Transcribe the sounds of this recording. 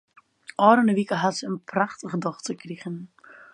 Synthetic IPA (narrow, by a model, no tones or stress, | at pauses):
ʔɔːɾənəʋikəɦatsəənpraχtəχədɔχtəkriɣən